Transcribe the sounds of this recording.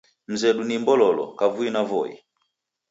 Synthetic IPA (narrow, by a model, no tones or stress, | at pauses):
m̩zɛɗunimbɔlɔlɔ̰kavuinavɔḭ